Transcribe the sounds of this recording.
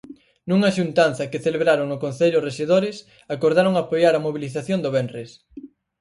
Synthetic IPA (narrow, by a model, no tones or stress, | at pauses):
nuŋaʃunt̪anθɐkeθeleβɾaɾoŋnʊkon̟θeʎʊreʃeðoɾɪs | akoɾðaɾoŋapojaɾɐmoβ̞iliθaθjond̪oβɛnres